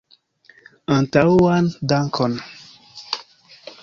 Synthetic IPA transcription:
ə̃ntawandaŋkʰɔn

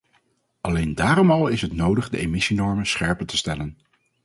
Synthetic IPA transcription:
ʔɑlejndaːrɔmɑlˠɪsɦətnowdəχdə̰emɪsinɔɹmənsχɛɹpətəstɛlən

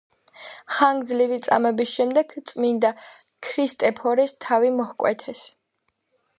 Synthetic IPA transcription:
χaŋɡzlivit̪sʼa̰mɛbisʃɛmd̪ɛɡt̪sʼmind̪a | kʰɾist̪ʼɛpʰɔɾist̪ʰavimɔhkʼwɛt̪ʰɛs

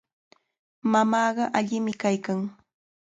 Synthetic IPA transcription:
mamɑːɢɑʔaʎɪmɪkajkaŋ

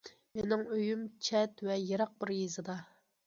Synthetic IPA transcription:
menɪŋøjymt͡ʃʰɛt̪vɛjeɾɑq̚bɪɾjezɨd̪ɑ

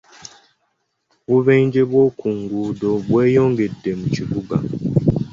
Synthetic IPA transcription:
buβɛɲd͡ʒebɔkʰuŋɡudɔbwɛjɔŋɡedem̩t͡ʃibuɡa̰

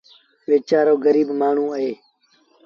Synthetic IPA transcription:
ʋeːt͡ʃaːɾoːɡəɾiːbmaːɳ̤ũːəɦeː

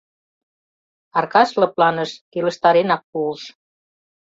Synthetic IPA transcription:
ɑrkɑʃlɤ̆plɑnəʃkilə̆ʃt̪ɑɾenɑk̚puəlʃ

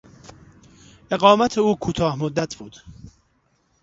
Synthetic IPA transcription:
ʔe̞ɢɒːmæt̪ʰeuːkʰuːt̪ʰɒːhmod̪ːæt̪ʰb̥uːd̪̥

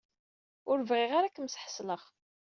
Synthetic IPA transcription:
ʊɾvʁɪʁaɾakəmsħə̥sləʁ

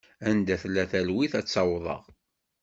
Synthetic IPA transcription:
ænd̪æθlːæθælwiθæt͡sːɑwðˤə̰ʁ

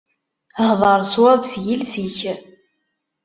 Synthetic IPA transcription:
hðˤɑɾˤswævsjilsiçə

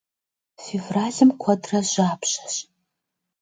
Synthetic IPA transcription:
fivraːɮɨmkʷʰɐdrɐʒʷaːpʰɕɐ̥ɕ

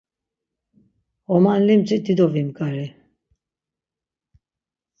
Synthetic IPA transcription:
ɔmanlimt͡sʼid̪id̪ɔvimɡaɾi

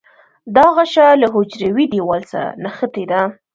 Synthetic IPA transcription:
d̪ɑɣaʃɑlaɦod͡ʒɾawid̪iwɑlsa̰naxət̪ed̪a

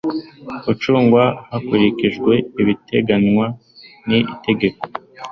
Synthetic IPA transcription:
ut͡ʃuːŋɡwahakuɾikiʒɡwe̞iβite̞ɡanŋwa | niite̞ɡe̞ko̞̥

